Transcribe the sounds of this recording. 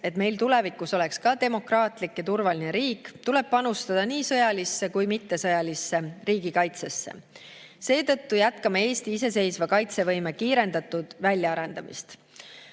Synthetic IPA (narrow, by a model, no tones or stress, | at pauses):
e̞t̪me̞jlt̪ule̞vikːˑuso̞le̞kskɑd̪e̞mo̞krɑːt̪ˑlikːjɑt̪urvɑlineɾiːkːˑt̪ule̞b̥̚pɑnust̪ɑd̪̥ɑniːsɤjɑlisːe̞kujmit̪ːe̞sɤjɑlisːe̞riːɡ̥ikɑjt̪se̞sːḛ | se̞ːt̪ɤ̞t̪ːujæt̪kɑmɑe̞ːst̪iise̞s̬e̞jsvɑkɑjt̪se̞vɤ̞jmekiːɾe̞nd̪̥ɑt̪ːud̪̥vælʲjɑɑɾe̞nd̪̥ɑmḭst̪